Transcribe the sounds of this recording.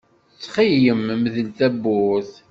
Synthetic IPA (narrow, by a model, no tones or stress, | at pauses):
t͡sːχijəmmðəlt̪æbːʊθ